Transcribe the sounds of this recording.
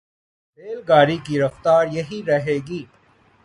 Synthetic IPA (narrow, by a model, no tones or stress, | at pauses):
ɾeːlɡaːɾikiɾɐft̪aːɾjɐɦiɾɐɦeːɡiː